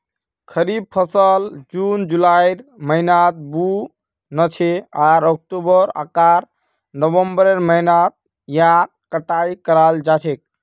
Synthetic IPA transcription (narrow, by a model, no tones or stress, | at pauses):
kʰəɾib̚pʰəsəld͡ʒund͡ʒulajɾməinat̪̚bu | nət͡ʃʰeaɾɔk̚ʈubəɾə̰kaɾ | nəbəmbəɾeɾməinat̪̚ | ja | kəʈaikəɾald͡ʒat͡ʃʰek̚